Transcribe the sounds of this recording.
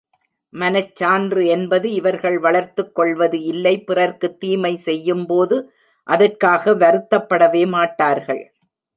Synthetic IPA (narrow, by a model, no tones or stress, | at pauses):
mɐnɐt͡ʃːaːndrɯɛnbɐðɯɪʋɐɾɣɐɭʋɐɭɐɾt̪ɯkːɔɭʋɐðɯɪlːɐɪpɪrɐɾkɯt̪ːiːmɐɪsɛjːɯmpoːðɯ | ʔɐðɐrkaːɣɐʋɐɾɯt̪ːɐpːɐɽɐʋeːmaːʈːaːɾɣɐɭ